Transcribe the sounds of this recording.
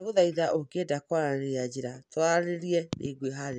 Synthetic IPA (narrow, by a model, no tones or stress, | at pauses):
ɣoðaiðaʔokedakwaɾnead͡ʑiɾatwaɾeɾiɛnḛɡweɦaɾe